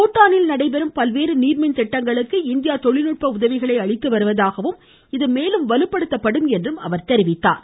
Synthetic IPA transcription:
uːʈːaːnɪlnɐɽɐɪpɛɾɯmpɐlʋeːɾɯniːɾmɪnt̪ɛʈːɐŋɡɐɭɯkːɯɪnd̪ɪjaːt̪ɔɭɪlɯʈ̚pɐʊðɐʋɪɣɐɭɐɪɐɭɪt̪ːɯʋɐɾɯʋɐðaːɣɐʋɯm | ɪðɯmeːlɯmʋɐlɯpːɐɽɯt̪ːɐpːɐɽɯmɛndrɯmɐ̰ʋɐɾt̪ɛɾɪʋɪt̪ːa̰ːɾ

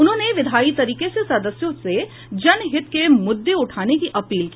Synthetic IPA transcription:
ʊnɦõːneʋɪd̪ʱaːit̪ɐɾiːkesesɐd̪əsjõse | d͡ʒɐnɦɪt̪kemʊd̪ːeʊʈʰaːnekiʔɐpiːlki

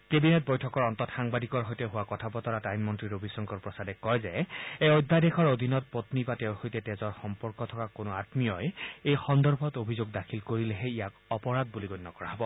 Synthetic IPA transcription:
kebinet̚bɔjtʰɔkɔɹɔntɔtxaŋbadikɔɹɦojtɛɦʊwakɔtʰabɔtɔɹatajmmɔntɹiɹobʱisɔŋkɔɹpɹɔsadɛkɔjzɛeojd̪ʱːadɛkʰɔɹod̪ʱinɔt̚potnibatɛʊɹxojtɛtɛzɔɹxɔmpɔɹkɔtʰɔkakonʊatmijɔjejxɔndɔɹbʱɔtobʱizoɡdakʰilkoɹilɛɦɛijakɔpɔɹad̚buliɡojnːɔkɔɹaɦɔbɔ

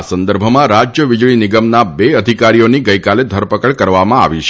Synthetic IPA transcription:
sənd̪əɾbʱəmãɾad͡ʒjəʋɪd͡ʒɭinɪɡəmnabeəd̪ʱikaɾijoniɡəjkaled̪ʱəɾpəkəɭkəɾʋamãa̰ʋiʃ

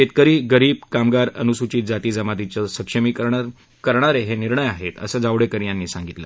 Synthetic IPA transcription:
et̪̚kəɾiːɡəɾiːb̚kamɡaɾə̰nusut͡ɕiːt̪̚d͡zat̪iːd͡zəmad̪it͡ɕəsəkʂəmiːkəɾɳa | kəɾɳaɾeɦeniɾɳəjaɦet̪ə̰səd͡zaʋɽekəɾjãnːiːsãŋɡit̪lə̰

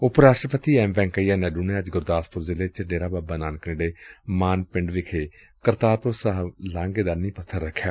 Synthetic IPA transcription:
ʊpɾaːʃʈɾəpət̪iːɛːmbɛ̃ːŋkəijaːnɛːɖuːnẽːəd͡ʒɡʊɾd̪aːspʊɾzɪleːt͡ʃəɖeːɾaːbaːbaːnaːnknẽːɖeːmaːnpɪɳɖʋɪkʰeː | kəɾt̪aːɾpʊɾsəɦlãːŋɡeːd̪aːnĩːpət̪ʰːəɾːəkʰːjaː

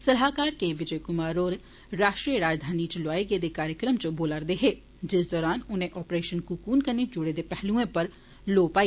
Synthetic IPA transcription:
səlɦaːkaːɾkeʋɪd͡ʒəjkʊmaːɾoːɾ | ɾaːʃʈɾijəɾaːd͡ʒd̪ʱaːnit͡ʃlwaːeɡed̪ekaːɾjəkɾəmt͡ʃəboːlaɾd̪eɦeː | d͡ʒɪsd̪ɔːɾaːnʊnẽʔɔːpɾeːʃənkukuːnkəned͡ʒʊɽed̪epɛɦlũẽpəɾ | loːpaːiː

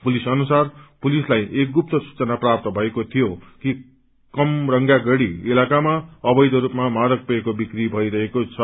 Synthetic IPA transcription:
pulisʌnusarpulislajek̚ɡup̚t̪ʌsu̥t͡sʌnaprap̚t̪ʌbʱʌekot̪ʰijoki | kʌmrʌŋɡaɡʌɽiilakamaʌbʌjd̪ʌɾupmamaɾʌk̚puekobikribʱʌiɾʌɦekot͡sʰʌ

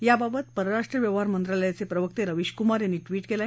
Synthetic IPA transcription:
jababət̪̚pəɾəɾaʂʈɾəʋjəʋɦaɾmənt̪ɾaləjat͡sepɾəʋək̚t̪eɾəʋiɕkumaɾjanːiːʈʋiːʈkela

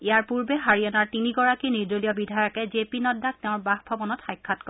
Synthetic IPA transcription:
ijaɹpuɹbɛɦaɹijɔnaɹtiniɡɔɹakiniɹdɹolijɔbidʱajɔkɛzepinɔdːak̚teʊ̃ɹbaxbʱɔbɔnɔtxajkʰːatkɔ

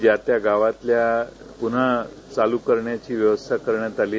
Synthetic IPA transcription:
d͡ʑjat̪jaɡaʋat̪lja | pun̤a | t͡salukəɾɳjat͡ɕiːʋjəʋəst̪ʰakəɾɳjat̪aliː

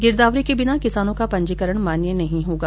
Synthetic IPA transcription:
ɡɪɾd̪aːʋɾikebɪnakɪsaːnõkapɐ̃ɲd͡ʒikəɾəɽmaːnjenɐɦĩɦoːɡaː

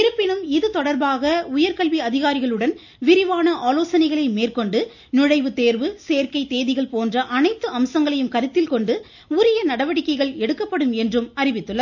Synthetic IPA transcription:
ɪɾɯpːɪnɯmɪðɯt̪ɔɽɐɾbaːɣɐʊjɐɾkɐɭʋiɐðɪɣaːɾɪɣɐɭɯɽɐn | ʋɪɾɪʋaːnɐʔaːloːsɐnɐɪɣɐɭɐɪmeːrkɔɳɖɯ | nɪɻɐɪʋɯt̪eːɾʋɯseːɾkɐɪt̪ːeːðɪɣɐɭpoːndrɐʔɐnɐɪt̪ːɯɐmsɐŋɡɐɭɐjɯmkɐɾɯt̪ːɪlkɔɳɖɯ | ʊɾɐjɐnɐɽɐʋɐɽɪkːɐɪɣɐɭɛɽɯkːɐpːɐɽɯmɛndrɯmɐɾɪʋɪt̪ːɯɭːɐð

